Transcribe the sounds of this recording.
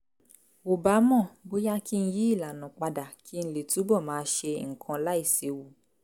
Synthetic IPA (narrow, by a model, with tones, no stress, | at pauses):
o˨ba˨˦mɔ̃˦˨bo˦ja˦ki˦n̩˦ji˦i˦˨la˨nã˨k͡pa˧da˨kʰi˦n̩˧le˨tu˨˦bɔ˦˨mãː˨˦ʃe˧ŋ̩˨kʰã˧la˨˦i˦˨se˨˦wu˨